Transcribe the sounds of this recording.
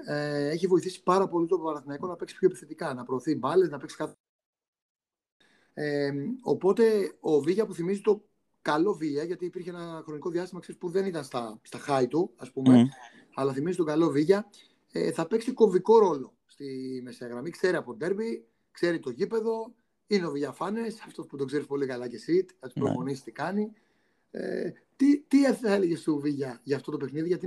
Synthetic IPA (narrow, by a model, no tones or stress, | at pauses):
eeçivo̞iθisi̥pɐɾɐpo̞lit̪oɐnɐθinɐiko̞nɐpe̞ksi̥pçoepiθet̪ikɐnɐpɾo̞ːθibɐle̞znɐpe̞ksi̥kɐ | eo̞̰po̞t̪e̞oviʝɐpuθimizit̪o̞ | kɐlo̞viɐʝɐt̪iːpiɾçeenɐxɾo̞niko̞ðiɐst̪imɐkseispuðe̞nit̪ɐnst̪ɐst̪ɐxɐit̪uɐspume | ɐlɐθimizit̪o̞ɡɐlo̞viʝɐ | ḛθɐpe̞ksiko̞viko̞ɾo̞lo̞ | st̪imist̪ɐɣɾɐmikse̞ɾiɐpod̪e̞ɾbi | kse̞ɾit̪o̞ʝipe̞ðo̞ | ineoviʝɐfɐnesɐft̪ospud̪o̞ɡze̞ɾispo̞likɐlɐce̞sit̪ɐt̪i̥pɾo̰fo̞nist̪ikɐni | ḛ | t̪it̪ieθθɐeleʝest̪uviʝɐʝɐft̪o̞t̪ope̞xniðiʝɐt̪i